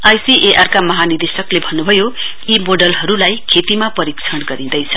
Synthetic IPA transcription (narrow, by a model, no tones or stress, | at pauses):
ajsiʔeʔarkamʌɦanird̪esʌklebʱʌnːubʱʌjo | imoɖʌlɦʌɾulajkʰet̪imapʌɾikt͡sʰʌɽɡʌɾid̪ʌjt͡sʰʌ